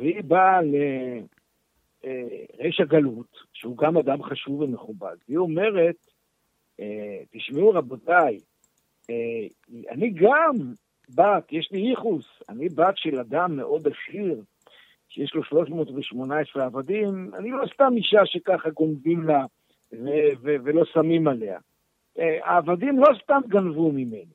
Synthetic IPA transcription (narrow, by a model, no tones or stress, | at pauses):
veibale | ʁeʃaɡalutʃeuɡamad̪amχaʃuveme̞χuba̰dvio̞me̞ʁet̚ | et̪iʃmeuʁabo̞taj | e | a̰niɡam | bat̪jeʃliiχusa̰nibat̪ʃe̞lad̪amːe̞̰ʔo̞d̪aʃiʁ | ʃejeʃlo̞ʃlo̞ʃmo̞ːtveʃmo̞naesʁeavadima̰nilo̞st̪amiʃaʃe̞kaχaɡo̞mvimla | vevevelo̞samimale̞a̰ | a̰ːvadimlo̞st̪amɡanvumime̞ni